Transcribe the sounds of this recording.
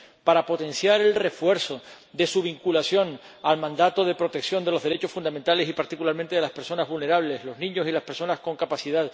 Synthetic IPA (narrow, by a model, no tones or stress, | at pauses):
paɾapo̞t̪ẽ̞nsjaɾe̞lre̞fwe̞ɾso̞ | d̪e̞suβ̞iŋkulasjo̞ŋ | almãnd̪at̪o̞ðe̞pɾo̞t̪e̞ksjo̞nd̪e̞lo̞zðe̞ɾe̞t͡ʃo̞sfund̪amẽnt̪ale̞sipaɾt̪ikulaɾmẽnt̪eðelaspeɾso̞nazβulne̞ɾaβ̞le̞zlo̞znĩɲo̞silaspe̞ɾso̞nasko̞ŋkapasiðað